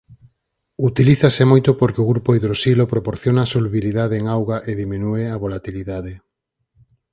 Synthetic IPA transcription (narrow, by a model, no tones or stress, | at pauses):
ut̪iliθasemojt̪opoɾkeoɣɾupoiðɾosilopɾopoɾθjonasoluβiliðaðeeŋawɣaʔeðimĩnueaβolat̪iliðaðe